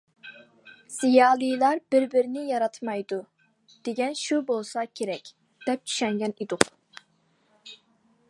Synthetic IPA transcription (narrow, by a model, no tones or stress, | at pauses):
sijɑːlˠɨjlˠɑɾb̥ɪɾbɪɾɪnɪjɑɾɑt̪ʰmɑjd̪u | d̪̥eɡʲɛnʃubolˠsɑkʲʰeɾɛkʲ | d̪̥ɛp̚t͡ʃʰy̥ʃɛŋɡʲɛnid̪ʊq